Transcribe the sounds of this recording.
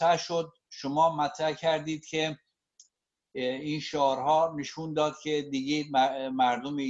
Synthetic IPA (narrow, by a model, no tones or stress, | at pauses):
æʃod̪̚ | ʃomɒːmæt̪ʰɾæhcʰæɾd̪iːd̪̥̚cʲʰe | iːnʃɒːɾhɒːneʃuːnd̪ɒːd̪̚cʲʰe̞d̪iɡemmæɾd̪ome